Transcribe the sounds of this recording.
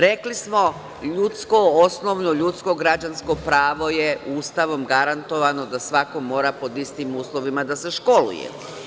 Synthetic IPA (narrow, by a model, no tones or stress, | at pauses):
ɾe̞klismo̞ | ʎut̪skoosnoʋnoʎut̪sko̞ɡɾad͡ʑansko̞pɾaːʋo̞jeuːst̪aʋo̞mɡaɾant̪o̞ʋano̞d̪asʋako̞mo̞ːɾapo̞d̪ist̪imuːslˠo̞ʋimad̪ase̞ʃko̞lṵjḛ